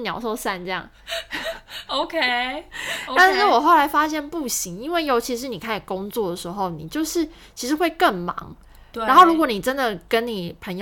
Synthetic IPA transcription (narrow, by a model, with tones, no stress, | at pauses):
njɑ˨˩ʊʂo˥˧ʊsa˥˧nʈ͡ʂɤ˥˧jɑ̰˥˩ŋ | o˧ʊkʰe˦˥ | a˥˧n̩˥˩wɔ˨˩xo˥˩ʊla˧˥ɪfa˥ɕjɛ˥˧npu˥˩ɕi˧˥ŋi˦˥nwe˥˩ɪjo˧˥ʊt͡ɕʰi˧˥ʂ̬ɻ̩˧˥˦ni˨˩kʰa˥˩n˨˩ko˥˦ŋt͡swɔ˥˩d̪ə˩ʂɻ̩˧˦xo˥˩ʊni˨˩t͡ɕjo˥˧ʊʂɻ̩˥˩ | t͡ɕʰi˧˥ʂ̬ɻ̩˧˦xwe˥˧ɪkə˥˩ŋmɑ̰˧˦ŋ | ɻt̪a˧˥nxo˥˩ʊɻu˧˥kwɔ˨˧˦ni˨˩ʈ͡ʂə˦˥nd̪ə˨kə˦nni˨˩pʰə˧˥ŋj